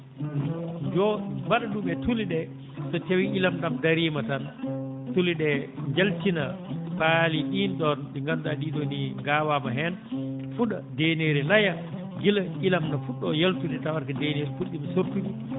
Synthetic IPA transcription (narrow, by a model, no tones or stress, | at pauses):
d͡ʒɔmaɗaɗuɓɛtuliɗɛ | sɔtewiʔilamɗamdaɾiːmatantuliɗɛɲd͡ʒaltinapaliɗinɗɔnɗiŋɡamdaɗiɗoniŋɡaːwamaɦɛnfuɗadeneɾilaja | ɡilʔilamnafuɗːɔjaltuɗɛtawaɾkadeneɾifuɗimasoɾtimu